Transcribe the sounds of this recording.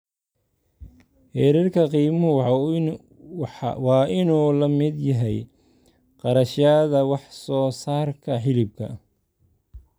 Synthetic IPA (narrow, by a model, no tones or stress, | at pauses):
hɛɾirkʰɐqiːmʊɦʊ | wɑːʔɪnuːlɐmɪd̪jɐɦɛj | qɑɾɐʃaðɐwɑħsɔːsaːrkʰɐħɪlɪb̚kʰɐ̰